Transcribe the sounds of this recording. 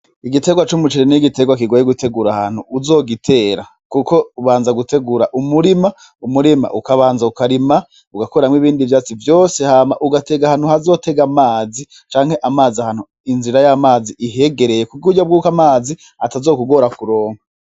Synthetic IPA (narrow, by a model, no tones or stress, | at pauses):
iɡite̞ɡwat͡ʃumut͡ʃiɾeniɡite̞ɡwak̬iɡojeɡutʰe̞ɡuɾahan̥huuzo̞ːɡitʰe̞ːɾa | kuko̞uβaːnzaɡute̞ɡuɾaʔumuɾima | umuɾima̰ʔukaβaːnzaukaɾima | uɡakoɾamŋiβiːndivjaːt͡sivjo̞ːse̞haːmaʔuɡate̞ɡahan̥huhazo̞te̞ɡamaːzi | t͡ʃaːŋ̥he̞ʔamaːziahan̥hu | inziɾajamaːziʔiɦe̞ɡe̞ɾe̞jekuɡɡuɟobɡuːkamaːzi | atazo̞ːkuɡo̞ɾakuɾo̞ːŋa